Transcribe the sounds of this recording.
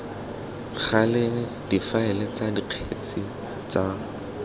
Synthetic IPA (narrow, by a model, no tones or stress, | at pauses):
χalɪ | d̥ifaɛlɪt͡sadiq͡χʰet͡sʼi | t͡sa